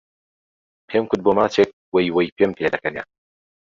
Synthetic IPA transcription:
pʰemkʊd̪̚boːmaːt͡ʃʰek̚wejwɐjpʰempʰeːd̪ɐkɐnḛ

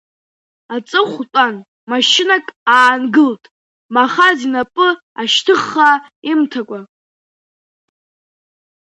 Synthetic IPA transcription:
at͡sʼɨχʷtʼan | maʃɪnakʼaːnɡɨltʼ | maχazinapʼɨ | aʃtʰɨχːaimtʰakʷʼa

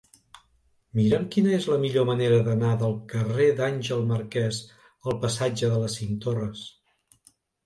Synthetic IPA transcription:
miɾəmkinəezləmiʎoməneɾəðənaðəlˠkəred̪anʲʒəlˠməɾkɛz | əlˠpəsad͡ʒəðələsint̪orəs

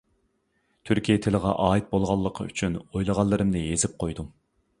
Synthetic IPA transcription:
t̪ʰyɾkʲijɛt̪ʰɪləʁɑ̰ʔɑːit̪̚bolˠʁɑlˠːəqʰə̰y̰t͡ʃʰynojlˠəʁɑlˠːɨɾɨmnɪjezɪp̚qʰojd̪u

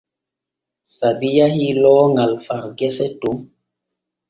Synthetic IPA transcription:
sadijahilɔːŋalfaɾɡɛsɛtum

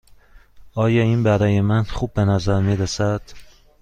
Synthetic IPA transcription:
ʔɒːjɒːiːnbæɾɒːje̞mænχuːbːe̞næzæɾmiːɾesæd̪̥

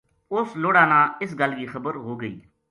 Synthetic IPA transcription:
ʊsloːɽaːnãːɪs̬ɡəlɡiːxəbəɾɦoːɡəḭː

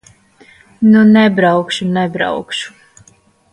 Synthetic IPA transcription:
nunɛbɾawkʃunɛbɾa̰wkʃu̥

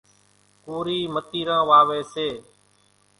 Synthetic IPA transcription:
kuːɾiːmət̪iːɾãːʋaːʋeːseː

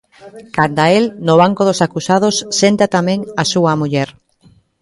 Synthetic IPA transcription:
kand̪aelnoβ̞aŋkoðosakusaðosːent̪at̪amẽŋasuamuʎɛɾ

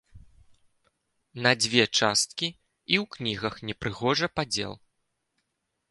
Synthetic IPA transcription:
nɐd͡zʲvʲɛt͡ʂast̪̚kʲi | iwknʲiɣɐxnʲɛpɾɨɣɔʐɐpad͡zʲɛ̰lˠ

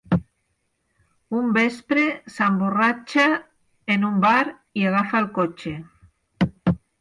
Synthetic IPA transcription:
umbespɾesamborat͡ʃa | enumbaɾ | iaɣafalkot͡ʃe

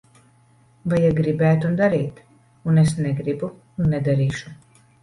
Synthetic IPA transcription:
vajaɡɾibæːt̪und̪aɾiːt̪ | unes̬nɛɡɾibu | unːɛd̪aɾiːʃu

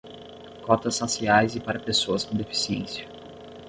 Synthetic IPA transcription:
kɔt̪ɐsːasiajzɪpaɾɐpesoɐskõd̪efi̥siḛ̃siɐ

